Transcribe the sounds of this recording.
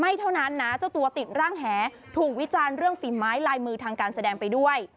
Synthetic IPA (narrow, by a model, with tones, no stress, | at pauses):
ma˥˩jt̪ʰa˥˩wna˦˥nːa˦˥t͡ɕa˥˩wt̪u˧ɐt̪i˨˩t̪̚ɾaː˥˩ŋɦɛː˩˦ | t̪ʰuː˨˩k̚wi˦˥t͡ɕaː˧nɾɯ˥˩əŋfiː˨˩maː˦˥jlaː˧jmɯː˧t̪ʰaː˧ŋkaː˧nsa˧dɛː˧ŋpa˧jdu˥˩əj